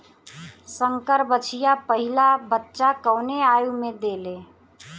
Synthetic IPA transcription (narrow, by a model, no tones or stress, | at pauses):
səŋkəɾbət͡ʃʰijapəɦilabətːʃakəwneajumed̪ele